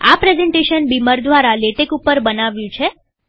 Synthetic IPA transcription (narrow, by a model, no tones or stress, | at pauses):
a̰pɾezeɳʈeʃənbiməɾd̪ʱʋaɾaleʈekupːəɾbənaʋjũt͡ʃʰe